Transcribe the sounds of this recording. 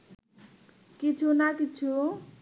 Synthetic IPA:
kit͡sʰunakit͡sʰu

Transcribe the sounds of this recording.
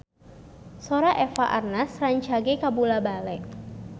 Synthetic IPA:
soɾaʔɛfaʔarnasraɲt͡ʃaɡekabulabalɛʔ

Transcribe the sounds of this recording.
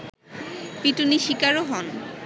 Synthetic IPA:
piʈuniʃikaɾoɦɔn

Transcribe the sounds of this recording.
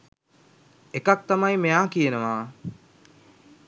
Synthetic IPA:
ekak̚t̪amajmejaːkijenəʋaː

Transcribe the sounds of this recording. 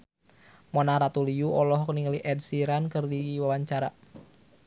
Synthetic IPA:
mɔnaɾat̪uliuʔɔlɔɦkniŋaliʔɛd̚siɾankɨrdiwawaɲt͡ʃaɾa

